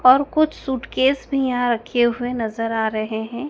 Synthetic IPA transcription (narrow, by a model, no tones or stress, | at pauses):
ɔːɾkʊt͡ʃʰsuːʈkeːsbʱijɐɦãɾɐkʰeɦʊenɐzəɾaːɾɐɦeɦɛ̃ː